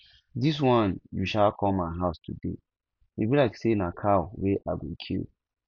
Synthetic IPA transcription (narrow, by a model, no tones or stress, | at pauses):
dis̬wɔ̃njuʃalkʰɔ̃maɪɦaʊstʰṵdḛ | ebilaksenãkʰaweʔa̰ɡokʰḭl